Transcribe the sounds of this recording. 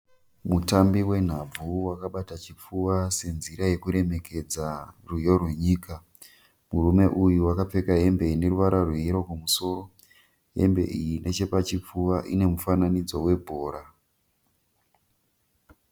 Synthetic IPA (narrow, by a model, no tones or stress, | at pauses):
mutambiwe̞n̤ab͡vuwakaɓatat͡ʃip͡fuwase̞nziɾaje̞kuɾe̞me̞kʰe̞d͡zarujorwe̞ɲiːka | murume̞ʔujuwakap͡fe̞kaɦe̞mbe̞ine̞ruʋaɾarweiɾo̞komuso̞ːro | ɦe̞̰mbe̞̰ʔijinʔe̞t͡ʃepat͡ʃip͡fuwaʔine̞mufananid͡zo̞we̞bʱo̞ːɾa